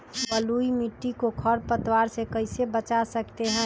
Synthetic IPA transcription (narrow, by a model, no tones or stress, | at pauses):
bəluimiʈːikokʰəɾpət̪waɾsekəɪsebət͡ʃasəkt̪eɦɛ̃ː